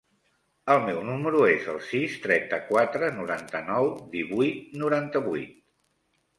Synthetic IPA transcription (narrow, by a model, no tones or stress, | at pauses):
əlˠmɛwnuməɾuezə̰lˠsist̪ɾɛnt̪əkwat̪ɾənuɾant̪ənɔwd̪iβujt̪nuɾant̪əβujt̪̚